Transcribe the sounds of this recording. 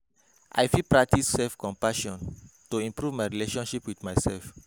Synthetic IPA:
ʔa̰jfilpɹak̚tisːɛlfkɔ̃mpaʃɔ̃ntuĩmpɹuvmajɹileʃɔ̃nʃipwidmajsɛlf

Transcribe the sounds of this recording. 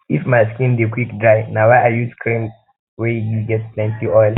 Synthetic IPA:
ifmajskĩndekwikdɹaɪnawaajuskʰɹĩm | wɛjuɡɛt̚plɛ̃ntiʔɔjl

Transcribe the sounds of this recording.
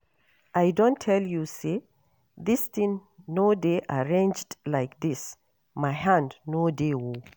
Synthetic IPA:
ʔajdõntʰːɛljuse | ðist̪ĩŋnodeʔaɹẽnd͡ʒdlajk̚ðis | majhãndnodewo

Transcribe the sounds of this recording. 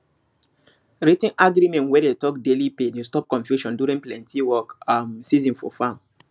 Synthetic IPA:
ɾitĩnʔaɡɾimɛ̃ntwɛdetɔk̚delipenustɔp̚kɔ̃nfjuʃɔ̃nduɾĩnplɛ̃ntʰiwɔkamsizĩnfɔ̰fãm

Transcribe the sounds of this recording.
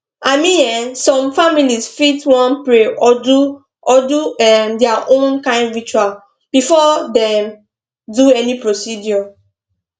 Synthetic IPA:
ʔamĩɛ̃nsɔ̃mfamilisfitwɔ̃npɹeɔdu | ɔduɛmdɛaʔõnkãɪ̃ndɹit͡ʃual | b̥ifɔdɛm | duɛnipɹosidjɔ

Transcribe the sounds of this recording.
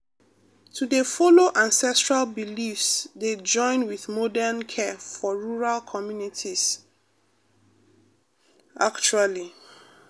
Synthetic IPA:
tʰudefɔloʔãnsɛstɹalbilifsded͡ʒɔ̃ɪ̃nwiðmɔdɛnkʰɛfɔɹuɹalkʰɔmjunitʰis | ʔakt͡ʃuali

